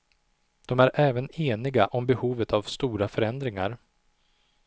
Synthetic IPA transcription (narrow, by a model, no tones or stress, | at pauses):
d̪̥ɔmæɾʔɛːvəneːnɪɡaʔɔmbɛhuːvət̪ʰavst̪uːɾafœɾɛn̪d̪ɾɪŋaɾ